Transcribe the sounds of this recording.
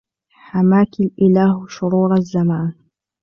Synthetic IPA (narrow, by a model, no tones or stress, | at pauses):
ħamaːkɪlʔɪlaːhʃʊɾuːɾˤazːamaːn